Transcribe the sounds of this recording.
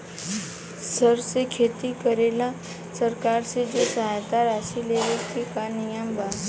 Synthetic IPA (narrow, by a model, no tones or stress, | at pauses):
səɾsekʰet̪ikəɾela | səɾkaɾsed͡ʒosəɦajt̪aɾasileʋekekanijəmbʱa